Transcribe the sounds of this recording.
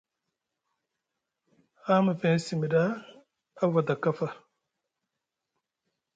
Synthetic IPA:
ha˦ma˨fe˨n˦si˨mi˨da˦ | a˦va˨da˨ka˦fa˨

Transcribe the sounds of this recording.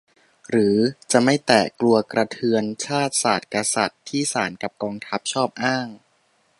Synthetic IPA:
ɾɯː˩˦t͡ɕa˨˩ʔma˥˩jt̪ɛː˨˩klu˧ɐkɾa˧t̪ʰɯ˧ənt͡ɕʰaː˥˩t̪̚saː˨˩t̪̚ka˧sa˨˩t̪ʰːiː˥˩saː˩˦nka˨˩p̚kɔː˧ŋt̪ʰa˦˥p̚t͡ɕʰɔː˥˩p̚ʔaː˥˩ŋ

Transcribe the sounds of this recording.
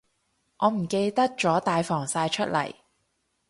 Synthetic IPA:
ŋʔɔː˨˧m̩˨˩ke˧jt̪ɐ˥k̚t͡ʃɔː˨˥t̪aː˧jfɔː˨˩ŋsaː˧jt͡ʃʰɵ˥t̚lɐ̰˨˩j

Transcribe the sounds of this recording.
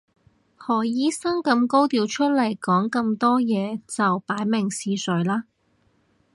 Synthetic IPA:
hɔː˨˩jiː˥sɐ˥ŋkɐ˧mko˥wt̪iː˧wt͡ʃʰɵ˥t̚lɐ˨˩jkɔː˨˥ŋkɐ˧mt̪ɔː˥jɛː˨˧t͡sɐ˨wpaː˨˥jmɪ˨˩ŋsiː˧sɵ˨˥ɥlaː˥

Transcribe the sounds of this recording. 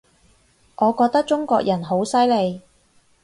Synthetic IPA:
ʔɔː˨˧kɔː˧k̚t̪k̚t͡ʃʊ˥ŋkɔː˧k̚jɐ˨˩nɦo˨˥wsɐ˥jle˨˧j

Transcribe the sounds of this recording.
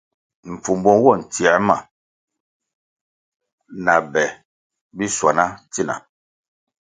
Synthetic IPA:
ɱ̩˨fu˨mbɔ˦ŋ˦wɔ˦˨n̩˨ti˨a˨ɾma̰˨ | na˨bɛ˨ | bi˦swa˨na˦ti˦˨na̰˨

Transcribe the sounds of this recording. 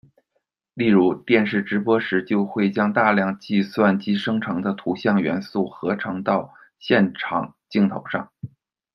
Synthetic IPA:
li˥˩ɻu˧˥t̪jɛ˥˧nʂɻ̩˥˩ʈ͡ʂɻ̩˧˥pwɔ˥ʂɻ̩˧˥t͡ɕjo˥˧ʊxwe˥˩ɪt͡ɕjɑ˥ŋt̪a˥˧ljɑ˥˧ŋt͡ɕi˥˧swa˥˩nt͡ɕi˥ʂɤ˥ŋʈ͡ʂʰɤ˧˥ŋd̪ə˧t̪ʰu˧˥ɕjɑ˥˩ŋɥɛ̰˧˥nsu˥˩xɤ˧˥ʈ͡ʂʰɤ˧˥ŋt̪ɑ˥˧ʊ | ɕjɛ˥˩nʈ͡ʂʰɑ̰˨˩˦ŋt͡ɕi˥˩ŋt̪ʰo˧˥ʊʂɑ̰˥˩ŋ

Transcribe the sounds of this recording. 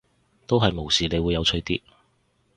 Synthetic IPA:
t̪o˥wɦɐ˨jmo˨˩wsiː˨ne˨˧jwuː˨˧jːɐ˨˧wt͡ʃʰɵ˧˥jt̪iː˥

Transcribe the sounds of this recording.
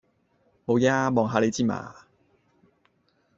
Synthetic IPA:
ho˨˧wjaː˦˥mɔː˨˧ŋɦaː˨˧le˨˧jt͡siː˥˩ma̰ː˨˧

